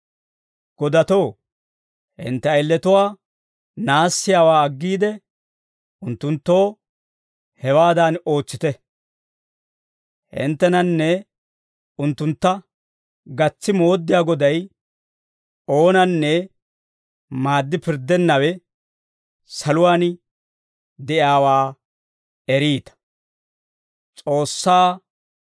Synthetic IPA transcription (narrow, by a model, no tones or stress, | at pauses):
ɡ̥ɔd̪ɐt̪o̞ː | ʔɪ̰nt̪ːɛɐɪlːɛt̪ʊwaː | naːsːɪjaːwaːɐɡːiːd̪ɛ | ʊnt̪ːʊnt̪ːo̞ː | hɛwaːd̪aːno̞ːt͡sːɪt̪ɛ | hɪ̰nt̪ːɛnɐnːɛ | ʊnt̪ːʊnt̪ːɐ | ɡɐt͡sːɪmo̞ːd̪ːɪjaːɡɔd̪ɐj | o̞ːnɐnːɛ | maːd̪ːɪpɪɾd̪ɛnːɐwɛ | sɐlʊwaːn | d̪ɛʔjaːwaː | ɛɾiːt̪ɐ̥ | t͡sʼo̞ːsːaː